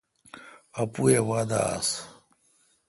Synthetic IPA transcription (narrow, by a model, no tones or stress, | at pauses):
ɐpuewaːd̪a̰a̰s